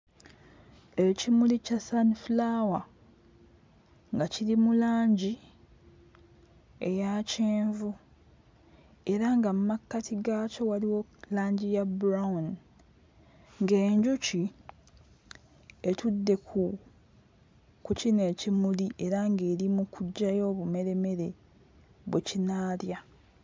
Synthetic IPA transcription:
e̞cimulicasanflawa | ŋɡaciɾimulaːɲɟi | e̞jaceːɱvu | e̞ɾaŋɡamumakːatʰiɡaco̞waliwo̞laːɲɟijabuɾaun | ŋɡe̞ːɲɟuci | e̞tʰudːe̞kʰu | kucine̞ːcimuliʔe̞ɾaŋɡe̞ːɾimukʰuɟːajo̞ːβume̞ɾe̞me̞ɾe̞ | βwecinaːlja

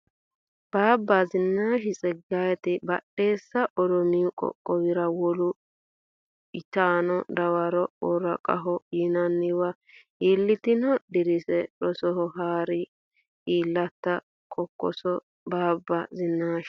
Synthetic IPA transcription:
b̥aːbːazɪnːaːʃɪt͡sʼɛɡajɛt̪ɪbɐ̰ɗe̞ːsːɐʔɔd̪ɔmiːkʼɔ̰kʼːɔwɪɾɐwɔlʊ | ɪt͡ʃaːnɔd̪ɐwɐɾɔɔɾɐkʼɐ̰ɦɔjɪnɐnːɪwɐ | ʔiːlːɪt̪ɪnɔd̪ɪɾɪsɛɗɔsɔɦɔɦaːɾɪ | ʔiːlːɐt̪ːɐ | kʼɔkːɔ̰sɔ | baːbːɐzɪnːaːʃɪ̥

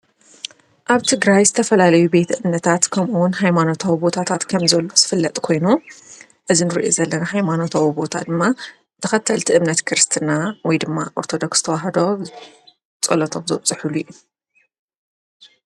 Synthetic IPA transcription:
ʔaβt̪ʰɨɡɾajzɨt̪ʰɐfɐlalɐjube̞t̪ʔɨmnɐt̪ʰat̪kʰɐmʔuwʊnɦajmano̞t̪ʰawibo̞t̪ʰat̪ʰat̪kʰɐmzɐlːo̞z̥ɨfɨlːɐt̪ʼkʰo̞jnu | ʔɨzinɨɾiʔo̰zɐlːɐnahajmano̞t̪ʰawibo̞t̪ʰa̰d̪ɨmːa | t̪ʰɐxɐt̪ʰːɐlt̪ʰiʔɨmnɐt̪kʰɨɾɨst̪ʰɨnawɔjd̪ɨmːaʔoɾt̪ʰo̞d̪oksz̥ɨt̪ʰɐwaɦɐd̪o | t͡sʼɐ̰lɐt̪ʰo̞mzɨt͡sʼɨħulujːu

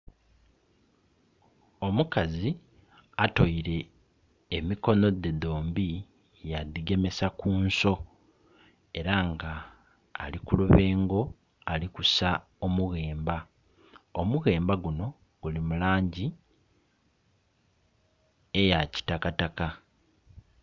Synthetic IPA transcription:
o̞mukazi | ato̞iɾe̞ː | miko̞no̞d̪e̞d̪o̞ːmbi | jad̪iɡe̞me̞sakuːnso̞ | e̞ɾaŋɡaː | likuluβe̞ːŋɡo̞ | alikusa | omuɣe̞ːmba | omuɣe̞ːmbaɡuno̞ | ɡ̥ulimulaːɲɟi | ejaci̥takataka

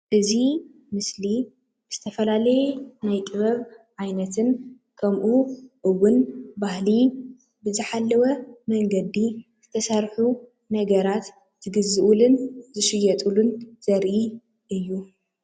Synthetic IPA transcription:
ʔɨzi | mɨsli | bɨz̥ɨt̪ʰɐfɐlalɐjɛnajt̪ʼɨβɐβʕajnɐt̪ʰɨn | kʰɐmʔuʔɨwːʊnbahli | bɨzɨħalːɐwɐmɐŋɡɐd̪izɨt̪ʰɐsɐɾħu | nɐɡɐɾat̪ | z̥ɨɡɨzɨʔulɨnzɨʃɪjɐt̪ʼulunz̥ɐɾʔi | ʔɨjːu

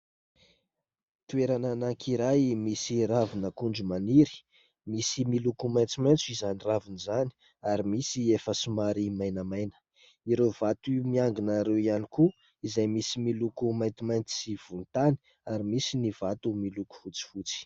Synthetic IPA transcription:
t̪ueɾananaŋkʰiɾajmisiɾavinəkuɳɖ͡ʐumaniɾi̥ | misimilukumajnt͡simajnt͡sizaniravinizani̥ | aɾimisiefəsumaɾimajnəmajnə̥ | iɾevat̪umiaŋɡinaɾewianiku | izajmisimilukumajnt̪imajnt͡s̪i̥siv̥unt̪ani̥ | aɾimisinivat̪umiluku̥fut͡si̥fut͡si̥

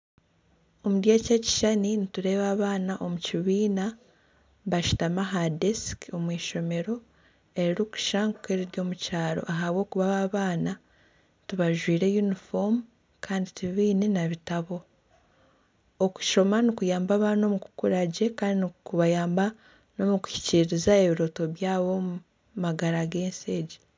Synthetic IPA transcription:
o̞mudjaceci̥ʃaninituɾe̞ːβaːβaːnaʔo̞muciβiːna | βaʃu̥tamaɦadesko̞mwiːʃo̞me̞ɾo̞ | e̞ɾiɾiku̥ʃaŋɡukeːɾiɾjo̞ːmucaːɾo̞̰ʔaɦaβwo̞ːkuβaβaːβaːna | tuβaʒwiːɾe̞junifom | kʰaːndituβiβiːnenaβitaβo̞ | oku̥ʃo̞manikujaːmbaβano̞muku̥kuɾaɟe̞kaːndinikuβajaːmba | no̞muku̥çi̥ciɾɾizae̞βiɾo̞ːto̞βjaːβo̞ | maɡaɾaɡe̞ːnse̞ːɟe̥

